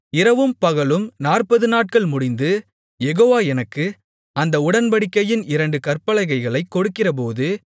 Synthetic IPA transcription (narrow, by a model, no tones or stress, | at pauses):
ɪɾɐʋɯmpɐɣɐɭɯmnaːrpɐðɯnaːʈ̚kɐɭmʊɽɪnd̪ɯ | jɛɣoːʋaːɛnɐkːɯ | ɐnd̪ɐʊɽɐnbɐɽɪkːɐjɪnɪɾɐɳɖɯkɐrpɐlɐɪɣɐɪɣɐɭɐɪkːɔɽɯkːɪrɐp̬oːðɯ